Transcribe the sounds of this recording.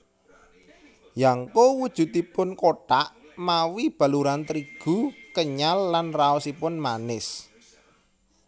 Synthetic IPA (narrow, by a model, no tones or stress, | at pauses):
jaŋkowud̥ʒ̥ṳt̪ipʊnkoʈaʔmawib̥ä̤luɾant̪ɾiɡ̥ṳkəɲalːanraɔsipʊnmanɪs